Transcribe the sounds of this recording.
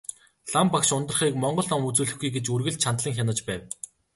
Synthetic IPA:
ɮampakʃʊnt̪ə̆rχiːkmɔɴɢɞ̆ɮɔmut͡suːɮɘ̆xɡujɡet͡ɕurɣɘ̆ɮt͡ɕʰant̪ɮĭŋxʲanə̆t͡ɕpæːw

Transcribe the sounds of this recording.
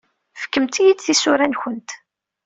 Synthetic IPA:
fə̥kːəmt̪ijidθisʊɾænçənt̪

